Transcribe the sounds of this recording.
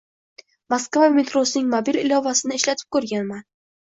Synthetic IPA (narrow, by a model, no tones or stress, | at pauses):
maskvame̞t̪ɾosɪnɪŋmobilɪlɒvasɪnɪeʃlat̪ʰɪ̥p̚kɵɾɡʲanman